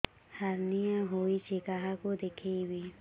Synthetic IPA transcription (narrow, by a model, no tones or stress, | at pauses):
haɾnijãɦoit͡ʃʰikaɦakod̪ekʰebi